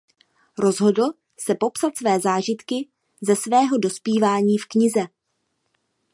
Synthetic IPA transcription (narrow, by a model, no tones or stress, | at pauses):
ɾo̞zɦo̞dl̩ | sɛpo̞psat̪svɛːzaːʒɪt̪kɪ | zɛsvɛːɦo̞do̞spiːvaːɲiːfkɲɪzɛ